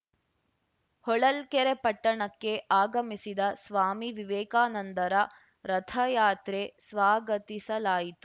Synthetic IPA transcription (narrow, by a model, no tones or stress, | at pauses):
hɔɭɐlkɛɾepɐʈːɐɳɐkːe̞ʔaːɡɐmisid̪ɐsʋaːmiʋiʋɛːkaːnɐnt̪ɐɾɐ | ɾɐt̪ʰɐjaːt̪ɾesʋaːɡɐt̪isɐlaːjit̪u